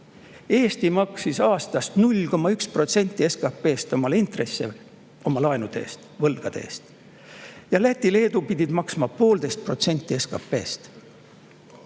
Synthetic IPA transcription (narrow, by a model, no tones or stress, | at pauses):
e̞ːst̪imɑksisɑːst̪ɑst̪nulʲko̞mːɑykspro̞t̪se̞nʲt̪ʲːˑie̞skɑpːe̞ːst̪o̞mɑlint̪re̞sːḛ | o̞mɑlɑenud̪e̞̰ːst̪vɤlɡ̥ɑd̪̥e̞̰ːst̪ | jɑlæt̪ʲːˑile̞ːd̪upid̪ʲid̪̥mɑksmɑpo̞ːld̪̥e̞jst̪̚pro̞t̪se̞nʲt̪ːˑie̞skɑ̰pːe̞ːst̪